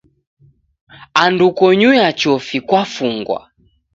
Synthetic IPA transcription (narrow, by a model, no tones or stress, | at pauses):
andukɔɲujat͡ʃɔfikwafuŋɡwa̰